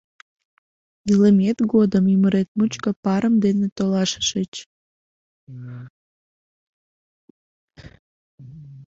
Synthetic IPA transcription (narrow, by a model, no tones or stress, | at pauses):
iləmet̪ɡod̪əmyməɾet̪̚mut͡ɕkəpɑɾəmd̪enet̪olɑʃə̥ʃət͡ɕ